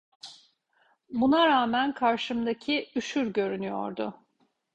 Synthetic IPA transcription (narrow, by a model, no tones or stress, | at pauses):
bunaɾaːmænkʰaɾʃɯmd̪acʰiyʃyɾɟø̞ɾynyjo̰ɾd̪ʊ